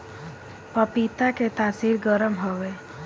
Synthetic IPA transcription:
pəpit̪aket̪aːsiːɾɡəɾəmɦoʋeː

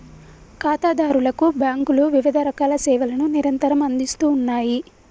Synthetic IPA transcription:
kaːt̪aːd̪aːɾulɐkubjaːŋkuluʋiʋid̪ʱɐɾɐkaːlɐsɛːʋɐlɐnuniɾɐnt̪ɐɾɐmɐnd̪ist̪uːnːaːji

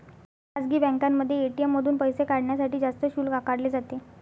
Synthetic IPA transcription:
ad͡zɡiːbɛ̃ŋkamːəd̪ʱːjeːʈiemːəd̪ʱuːnpəjsekaɽɳjasaʈiːd͡zast̪əɕuːlkakaɽleːd͡zat̪e

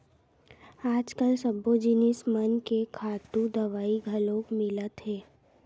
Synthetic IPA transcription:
aːd͡ʒkəlsɐbːod͡ʒɪnɪsmənkekʰaːt̪ũd̪ɐʋaːiɡʱɐlõːkmɪlət̪ɦɛː

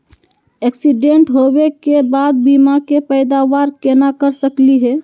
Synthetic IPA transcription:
ɛksiɖeɳʈɦowekebaːd̪̚bimakepəɪd̪aʋaɾkenakəɾsəkliɦɛ

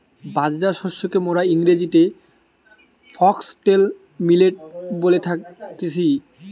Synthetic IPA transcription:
bad͡ʑdaʃɔʃokemoɾaiŋɾed͡ʑit̪e | fʰɔksʈel | mileʈ̚bolet̪ʰakt̪et͡ɕʰi

